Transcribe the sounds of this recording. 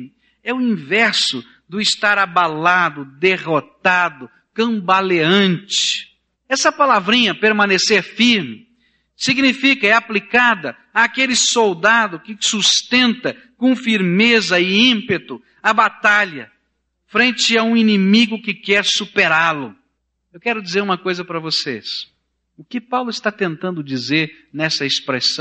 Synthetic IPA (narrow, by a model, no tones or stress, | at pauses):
ɛʊĩvɛɾsʊ | d̪ʊɪst̪aɾabalad̪ʊd̪eʁot̪ad̪ʊ | kɐ̃mbaleɐ̃nt͡ʃɪ̥ | ɛsɐpalavɾĩɲɐpeɾmɐ̃neseɾfiɾmɪ | siɡnifikɐɛaplikad̪ɐ | aːkelɪsowd̪ad̪ʊkɪsust̪ẽnt̪ɐ | kõfiɾmezɐɪĩmpet̪ʊ | ɐbat̪aʎɐ | fɾẽnt͡ʃɪaũinĩmiɡʊkɪkɛɾsupeɾalʊ | ewkɛɾʊd͡ʒizeɾũmɐkojzɐpɾɐvosḛs | ʊkɪpawlʊɪst̪at̪ẽnt̪ɐ̃nd̪ʊd͡ʒizeɾ | nɛsɐespɾesɐ̃